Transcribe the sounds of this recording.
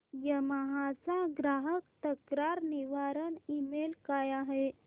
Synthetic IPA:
jəməɦasãɡɾaːɦəkt̪əkɾaɾniʋaɾənimelkajaɦe

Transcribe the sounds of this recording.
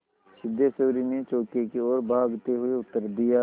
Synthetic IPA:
sɪd̪ʱjasəːɾimẽt͡ʃoːkekeɔːɾbʱaːɡt̪eɦʊeʊt̪ːəɾd̪ɪja

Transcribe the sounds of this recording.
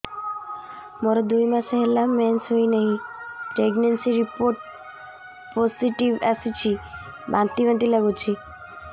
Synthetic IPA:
moɾɔd̪ujmãsɦelamɛnsɦojnəɦĩpɾeɡnensiɾipoɾʈ̚ | pɔsiʈiʋasit͡ʃʰi | bãnt̪iʋãnt̪iləɡut͡ʃʰi

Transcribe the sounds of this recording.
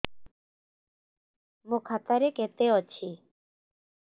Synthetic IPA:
mũkʰat̪aɾeket̪eɔt͡ʃʰi

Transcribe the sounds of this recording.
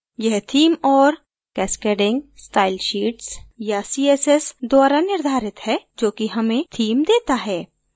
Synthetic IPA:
jɛɦt̪ʰiːmɔːɾ | kɛːskeːɖɪ̃ŋɡsʈaːɪlʃiːʈsjasiːesesd̪waːɾanɪɾd̪ʱaːɾɪt̪hɛd͡ʒoːkiɦɐmẽt̪ʰiːmd̪eːt̪aɦɛː

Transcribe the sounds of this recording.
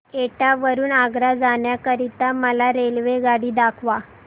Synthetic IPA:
eʈaʋəɾuːnaɡɾad͡zaɳjakəɾit̪aməlaɾelʋeɡaɽiːd̪akʰʋa

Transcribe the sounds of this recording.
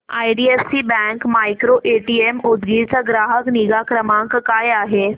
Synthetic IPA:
ajɖiefsiːbɛ̃ŋkmajkɾoʔeʈiemud̪ɡit͡saɡɾaɦəkniɡakɾəmãŋkːajaɦe

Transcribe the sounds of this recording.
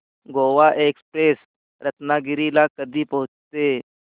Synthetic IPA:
ɡoːʋaːʔeːkspɾeːs | ɾət̪naːɡɪɾilaːkəɾd̪ipɐɦʊ̃t͡ʃt̪eː

